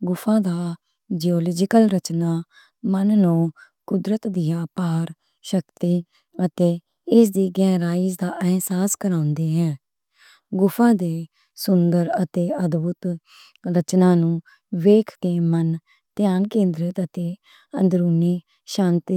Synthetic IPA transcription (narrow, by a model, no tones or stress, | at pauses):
ɡʊpʰãːd̪aː | d͡ʒiɔːlɔːd͡ʒɪkəlɾət͡ʃnaː | mənːõː | kʊd̪ɾət̪d̪ɪjaːpaːɾ | ʃəkt̪iː | ət̪eː | ɪsd̪iːɡɛːɾaːiːd͡ʒd̪aːʔɛɦsaːskəɾãːʊnd̪eːɦɛ̃ː | ɡʊfʰãːd̪eː | sʊnd̪əɾət̪eːəd̪bʊt̪ | ɾət͡ʃnãːnũː | ʋeːkʰk̪eːmən | t̪ɪjaːnkẽːnd̪ɾɪt̪ət̪eː | ənd̪ɾuːniː | ʃaːnt̪ː